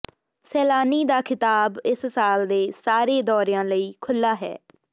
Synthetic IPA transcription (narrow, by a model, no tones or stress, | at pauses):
sɛːlaːniːd̪aːkʰɪt̪aːbɪssaːld̪eːsaːɾeːd̪ɔːɾɪjãːləiːkʰʊlːaːɦɛ̰ː